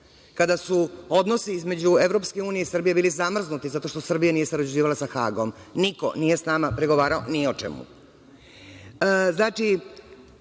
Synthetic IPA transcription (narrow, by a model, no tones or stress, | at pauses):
kad̪asuo̞d̪no̞siizme̞d͡ʑue̞ʋɾo̞pske̞uːnijeisr̩bije̞biːlizamr̩znut̪izat̪o̞ʃt̪o̞sr̩bijanije̞saɾod͡ʑud͡ʑiːʋalˠasaxa̰ːɡo̞mniko̞̰nije̞snamapɾeɡo̞ʋaːɾao̰niot͡ʃḛmṵ | znaːt͡ʃi